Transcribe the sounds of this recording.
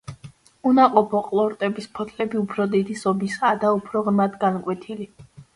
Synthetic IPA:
unaqʼɔpʰɔqʼlˠɔɾt̪ʼɛbispʰɔt̪ʰlɛbiupʰɾɔd̪id̪isɔbisad̪aupʰɾɔʁnmad̪ɡankʼwɛt̪ʰili

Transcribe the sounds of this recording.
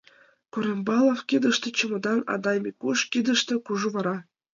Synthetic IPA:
kuɾembɑlˠofkid̪ə̆ʃt̪ɤ̆t͡ɕɤ̆mɤ̆d̪ɑnɑ̰d̪ɑjmʲikuʃkid̪ə̆ʃt̪ɤ̆kuʒuβɑɾɑ

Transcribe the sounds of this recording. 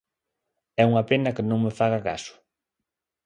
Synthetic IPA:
ɛuŋapenɐkɪnõŋmefaɣakasʊ̥

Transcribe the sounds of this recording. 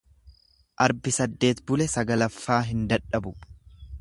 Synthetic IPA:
ʔɐɾbɪsɐd̪ːe̞ːt̪bʊlɛsɐɡɐlɐfːaːɦɪnd̪ɐᶑɐbʊ

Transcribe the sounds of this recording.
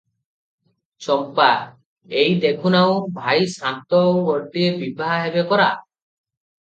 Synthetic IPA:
t͡ʃɔmpa | ejd̪ekʰunaw̃bʱajsant̪ɔowɔʈiebibʱaɦaɦebekɔɾa

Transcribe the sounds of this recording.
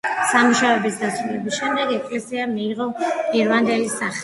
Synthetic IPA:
samuʃavɛbisd̪at̪sʰwulɛbisʃɛmd̪ɛɡɛkʼlɛsiamiːʁɔɡɛɾvand̪ɛlisaχ

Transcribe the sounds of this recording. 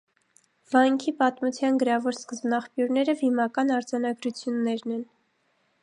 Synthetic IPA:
v̥ɑjŋkʰipɑt̪mut͡sʰjɑnɡəɾɑvɔɾskəzbnɑχpjuɾnɛɾəvimɑkɑnɑɾd͡zɑnɑɡɾut͡sʰjunːɛɾnɛn

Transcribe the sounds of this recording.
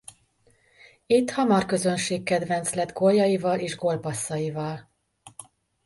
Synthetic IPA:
it̪ːhɒmɒrkø̞zø̞nʃeːkːɛd̪vɛnt̪slɛd̪ɡoljɒjivɒleːʒɡo̞lpɒsːɒjivɒl

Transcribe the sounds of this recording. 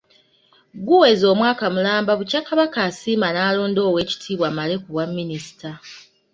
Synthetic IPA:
ɡuwe̞zo̞ːmwaːkamulaːmbaβucakːaβakaːsiːmanaːlo̞ːndo̞ːwe̞ːci̥tʰiːβwamale̞kuβwamːinisi̥tʰa

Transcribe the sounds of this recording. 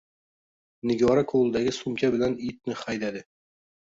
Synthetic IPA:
nɪɡɒɾakuwlˠd̪æɡɘsumkʲæbɘ̆lænit̪̚nɘχæjd̪æd̪ɘ

